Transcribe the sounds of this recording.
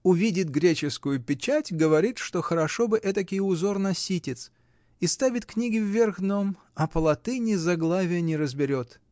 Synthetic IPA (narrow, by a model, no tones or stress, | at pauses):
ʊvʲidʲɪt̪ɡɾʲet͡ɕɪskʊjʊpʲɪt͡ɕætʲɡəvɐɾʲit̪ʂt̪o̞xəɾɐʂo̞bɨʔɛt̪əkʲɪʊzo̞rnɐsʲitʲɪt̪s | ist̪avʲɪt̪knʲiɡʲɪvːʲerɣnom | ɐpəlˠɐt̪ɨnʲɪzɐɡlˠavʲɪjənʲɪɾəzbʲɪɾʲot̪